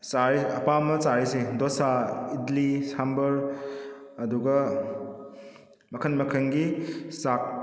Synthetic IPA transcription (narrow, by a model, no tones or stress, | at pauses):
saɾiɐpamɐsaɾisedosaidlisambɐɾ | ɐduɡɐ | mɐkʰɐnmɐkʰɐnɡisak̚